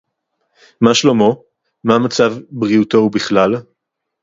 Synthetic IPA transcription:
maʃlomo̞ | mamat͡savbʁiuto̞ubiχlal

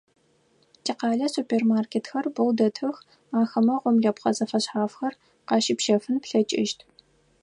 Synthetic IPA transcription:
tʰiːqɑːɮɐsuːpʰeːrmaːrkʰʲeːtxɐrbɐwdɐtʰɨx | aːxɐmɐʁʷʊmɮɐpqɐzɐfɐɕħaːfxɐr | qɑːʃɪpʃɐfɨnpɬɐt͡ʃʼɪʃtʰ

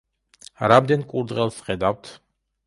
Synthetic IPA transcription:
ɾamd̪ɛnkʼuɾd̪ʁɛlˠsχɛd̪avt̪ʰ

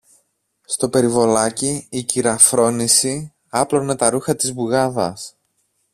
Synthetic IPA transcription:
st̪o̞pe̞ɾivo̞lɐciːciɾɐfɾo̞nisi | ɐplo̞ne̞t̪ɐɾuxɐt̪izbuɣɐðɐ̰s

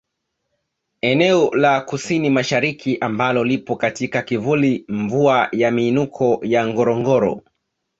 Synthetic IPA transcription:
ɛnɛɔlakusinimaʃaɾikʰiʔambalɔlipɔkatikakivuliɱvuajamiːnukʰɔjaŋɡɔɾɔŋɡɔɾɔ̰

